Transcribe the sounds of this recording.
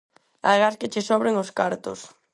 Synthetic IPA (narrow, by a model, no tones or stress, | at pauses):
a̰ðeɣasket͡ʃesɔβɾeŋoskaɾt̪o̰s